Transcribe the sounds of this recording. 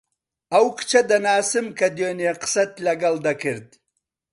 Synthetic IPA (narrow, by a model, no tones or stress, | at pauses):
awkt͡ʃad̪anaːsɪmkad̪joneqsat̪lɐɡald̪akəɾd̪i